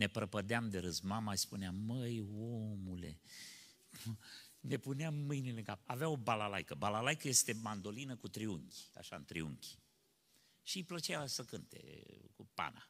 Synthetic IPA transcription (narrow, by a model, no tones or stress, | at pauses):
ne̞pɾəpəd̪eamd̪eɾɨzmamaspuneamːəjomule̞̰ | ne̞puneamːɨjnileŋkapaveao̞balalajkəbalalajkəje̞st̪e̞mand̪o̞linəkut̪ɾiuŋkʲi̥a̰ʃaɨ̰nt̪ɾiṵŋkʲi̥ | ʃiplət͡ʃeasəkɨnt̪e̞̰kupa̰na̰